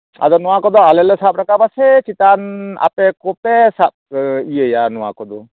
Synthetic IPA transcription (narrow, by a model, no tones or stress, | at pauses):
a̰d̪ɔnɔwakɔd̪ɔalɛlɛsap̚ɾakabasɛt͡ʃit̪ana̰pɛkɔpɛsap̚ijəjanɔwa̰kɔd̪ɔ